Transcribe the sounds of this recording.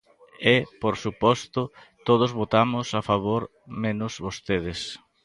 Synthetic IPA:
epoɾsupɔst̪ʊ | t̪oð̞ozβot̪amʊsafaβoɾ | mẽnʊzβost̪eðɪs

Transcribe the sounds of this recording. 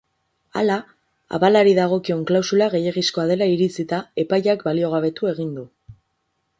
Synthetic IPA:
a̰la | a̰palaɾiðaɣ̞o̞kio̞ŋklawsulaɣ̞e̞jeɣisko̞að̞e̞laiɾit͡sit̪ae̞pajakbalio̞ɣ̞aβ̞e̞t̪ue̞ɣind̪u

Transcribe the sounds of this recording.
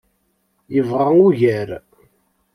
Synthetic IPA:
jəvʁaŋuʝæɾ

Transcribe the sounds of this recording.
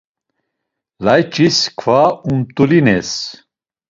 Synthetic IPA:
lajt͡ʃʼiskʰvaumt̪ʼulinɛs

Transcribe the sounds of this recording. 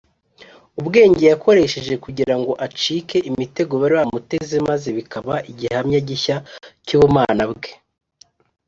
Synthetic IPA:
ubɡe̞ːɲɟe̞jako̞ɾe̞ʃe̞ʒe̞kuɟiɾaŋɡo̞ʔat͡ʃike̞ʔimite̞ɡo̞βaɾiβamute̞ze̞maze̞βikaβaʔiɟihamɲaɟiçacuβumaːnabɡe̞̥

